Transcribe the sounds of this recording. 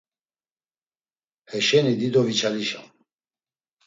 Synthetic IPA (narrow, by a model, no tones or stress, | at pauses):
hɛʃɛnid̪id̪ɔvit͡ʃʰaliʃa̰m